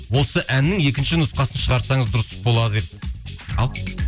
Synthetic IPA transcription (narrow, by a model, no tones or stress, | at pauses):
wo̞səʔænːɪŋe̞kʲɪnʃɪnʊsqɑsənʃəʁɑɾsɑɴəzd̪ʊɾəst̪ə̥zbo̞lˠɑd̪əed̪ɪɑlˠ